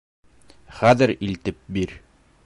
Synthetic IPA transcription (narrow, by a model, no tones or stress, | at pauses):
χæðɘɾilt̪ɘp̚biɾ